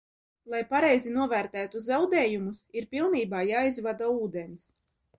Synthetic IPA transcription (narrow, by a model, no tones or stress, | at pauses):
lˠajpaɾɛjzinuɔvæːɾt̪æːt̪uzawd̪ɛːjumusiɾpilˠniːbaːjaːizvad̪auːd̪ɛns